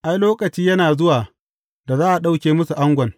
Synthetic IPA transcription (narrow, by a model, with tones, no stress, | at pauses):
ʔa˦jloː˦kɐ˨t͡ʃiː˦jɐ˦naː˨zʊ˦waː˨ | da˨zaː˦ʔa˨ɗa˦wkʲeː˨mʊ˦su˨ʔa˦ŋɡʷɐ˨n